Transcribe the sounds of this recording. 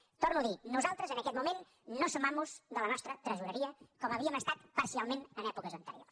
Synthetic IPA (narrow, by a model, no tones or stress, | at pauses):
t̪oɾnuəðinuzalˠt̪ɾəzənəkɛt̪mumenː | osəmamuzðələnɔst̪ɾət̪ɾəzuɾəɾiəkɔməβiəməst̪at̪pəɾsialˠmenənɛpukəzənt̪əɾio̰rs